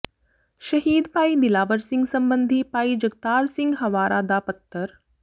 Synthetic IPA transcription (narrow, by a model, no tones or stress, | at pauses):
ʃɐɦiːd̪paːid̪ɪlaːʋəɾsɪ̃ŋɡsɐ̃mbənd̪ʱipaːid͡ʒɐɡ̚t̪aːɾsɪ̃ŋɡɦɐʋaːɾʔaːd̪aːpət̪ːəɾ